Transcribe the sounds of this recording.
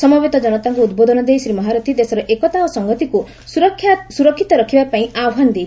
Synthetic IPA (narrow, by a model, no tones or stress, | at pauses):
sɔmɔbet̪ɔd͡ʒɔnɔt̪aŋkuːd̪bod̪ʱɔnɔd̪ejsɾimɔɦaɾɔt̪ʰid̪esɔɾɔʔekɔt̪aosɔŋɡɔt̪iku | kʰsuɾɔkʰːit̪ɔɾɔkʰibapaĩaɔɦand̪ej